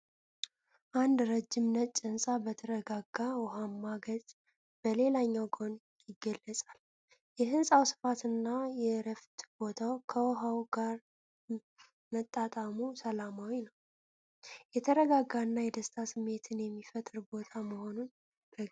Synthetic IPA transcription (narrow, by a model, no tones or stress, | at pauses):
ʔand̪ɾəd͡ʒːɪmnət͡ʃʼːənsʼabət̪ʰəɾəɡaɡːawɔɦamːaɡəzʼ | b̥əle̞laɲːawɡon | jɪɡːəlːəsʼal | jɛɦɨnsʼawsɨ̥fat̪ɨnːajɛɾəft̪b̥o̞t̪ʰawkʰəwɔɦawɡ̥aɾ | mət̪ʼːat̪ʼamusəlamawinəw | jɛt̪ʰəɾəɡaɡaɨnːajɛd̪əst̪ʰasɨmːe̞t̪ʰɨnjɛmːifət̪ʼɨɾbo̞t̪ʰaməho̞nun | b̥ə